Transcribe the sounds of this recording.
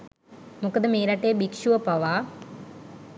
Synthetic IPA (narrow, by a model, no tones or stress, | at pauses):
mukːɐd̪ɐmiːɾɐʈːeːbikʂuʋɐpɐʋa